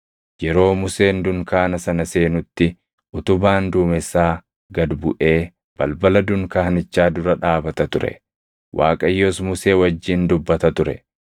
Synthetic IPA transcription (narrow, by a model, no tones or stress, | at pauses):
jɛɾo̞ːmʊseːnd̪ʊŋkaːnɐsɐnɐse̞ːnʊt̪ːɪ | ʔʊt̪ʊbaːnd̪ʊːmɛsaː | ɡɐd̪bʊ̰ʔe̞ː | b̥ɐlbɐlɐd̪ʊŋkaːhnɪt͡ʃːaːd̪ʊɾɐᶑaːbɐt̪ɐt̪ʊɾɛ̰ | wʔa̰ːkʼɐjːɔsmʊse̞ːwɐd͡ʒːiːnd̪ʊbːɐt̪ɐt̪ʊɾɛ̰